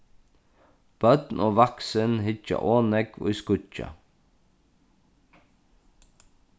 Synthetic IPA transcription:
b̥œd̪nʔoːʋaksənɦɪt͡ʃa̰ʔoːnɛko̰ːiskʊt͡ʃa̰

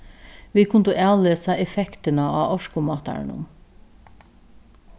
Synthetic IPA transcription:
ʋiːkʰʊnt̪ʊʔæːləsæɪɛfɛkt̪ənəɑ̰ːʔɔʃkʊmɑːt̪æ̰ɹɳə̰n

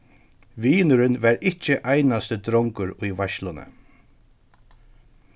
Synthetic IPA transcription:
ʋiːnʊɾɪnʋaɹɪt͡ʃɪʔajnast̪əd̪ɾɔŋkʊɾʊjʋaʃlʊnə̰

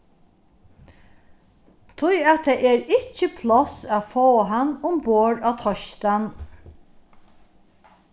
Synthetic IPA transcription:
t̪ʰʊjat̪ʰeːʔɛɾɪt͡ʃəpʰlɔsaðfoːɦanːʊmboːɹaːt̪ʰɔʃt̪an

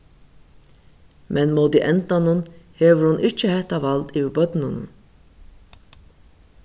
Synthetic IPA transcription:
mʔɛnmoːt̪iʔɛnt̪anʊnheːʋəɾhʊnʔɪt͡ʃːəhɛht̪aʋalt̪ɪʋbœt̪nʊn

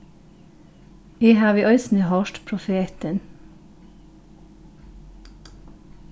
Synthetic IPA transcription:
iːhæːʋiːʔœʏsnəːhɑːʃʈpʰɾʊfeːt̪ən

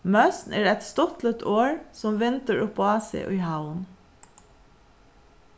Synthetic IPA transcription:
mɑsn̩eːɾɛt̪st̪ɔt̪lət̪ʰoːɹsɔmʋɪnt̪əɹʊpʰːoːɑːsḛɪʔiːhaʊən

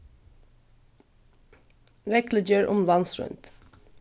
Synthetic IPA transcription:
ɾɛkləd͡ʒøːɹʔʊmlɑnsɹʉ̰nt̪

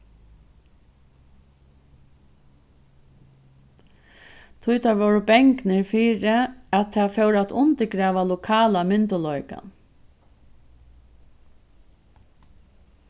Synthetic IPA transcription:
t̪ʰʊjt̪ʰaɹʋɔwɾəbɛŋknɪɹfiːɾɪat̪ʰaːfɛwɾat̪ʊnt̪ɪɡɾɛːʋalʊkʰaːlamɪnt̪ʊlɔʏka̰

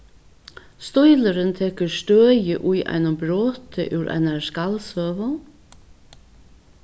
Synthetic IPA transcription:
st̪ɔjləɾɪnt̪ʰɛːkəɾst̪øːjɪʔujʔa̰ɪnʊmbɾoːt̪ɪ̰ʔʉwɾʔa̰naɹskalsøːʋʊ

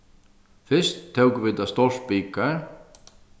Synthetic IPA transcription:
fɪ̥st̪ʰːeːwkvɪːt̪ast̪or̥piːkaɾ̥

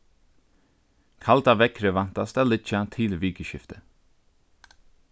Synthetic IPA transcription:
kʰɑlt̪ɑːʋɛkʰɾəʋɑnt̪ɑst̪ælɪc͡çɑt̪ʰɪlʋiːkəʃɪft̪ə

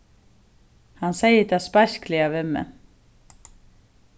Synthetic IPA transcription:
hanːseːjɪt̪aðspajsklɪavɪmːɛ̰n

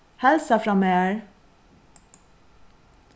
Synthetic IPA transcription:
hɛlsəfɾɑmeːɹ

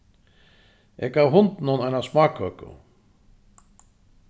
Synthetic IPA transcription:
ʔɛkawɦʊnt̪nʊnajnasmaːkʰœkʊ̰

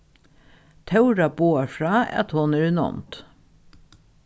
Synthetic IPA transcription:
t̪ʰɑʉɾɑboːɑfɹɑːɑ̰t̪hʊnæːɾʉnɔ̰mt̪

